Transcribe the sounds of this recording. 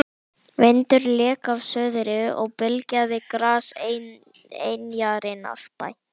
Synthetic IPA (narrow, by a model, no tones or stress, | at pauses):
vɪjnt̪ʏɾlɛːkavsœːðɾɪɔ̰ɣpɪlcaðɪkɾaːse | ḛjnjaɾɪna̰l̥pa̰j